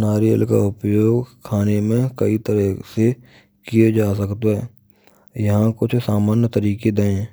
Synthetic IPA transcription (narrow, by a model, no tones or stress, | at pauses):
naːɾijə̰lka̰ʊpjoːɡkʰaːnemẽkəit̪əɾɛse | kijed͡ʒaːsəkt̪oɦɛː | jɐɦãkʊt͡ʃʰsaːməːɾnjət̪əɾiːked̪əẽ